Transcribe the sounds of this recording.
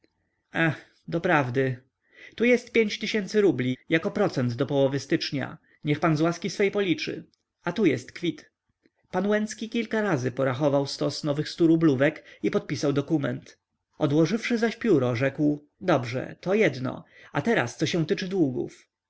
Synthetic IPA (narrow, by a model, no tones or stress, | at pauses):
ax | d̪ɔpɾavd̪ɘ | t̪ujɛst̪̚pʲjeɲt͡ɕt̪ɘɕɛnt̪sɘɾublʲijakɔpɾɔt̪sɛnd̪d̪ɔpɔwɔvɘst̪ɘt͡ʂɲa̰ | ɲɛxpanzwaskʲisfɛjpɔlʲit͡ʂɘ̰ | at̪ujɛst̪kfʲit̪ | panwɛnt̪skʲikʲilkaɾazɘpɔɾaxɔvawst̪ɔsnɔvɘxst̪uɾubluvɛkipɔt̪̚pʲisawd̪ɔkumɛ̰nt̪ | ɔd̪wɔʐɘfʂɘzaɕpʲjuɾɔʐɛkw | d̪ɔbʐɛ̰t̪ɔjɛd̪nɔ̰ | at̪ɛɾa̰st̪sɔɕɛw̃t̪ɘt͡ʂɘd̪wuɡṵf